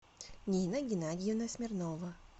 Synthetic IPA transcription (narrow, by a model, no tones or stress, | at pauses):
nʲiːnɐɡʲɪnad̪ʲijunɐsʲmʲɪɾnɔʋɐ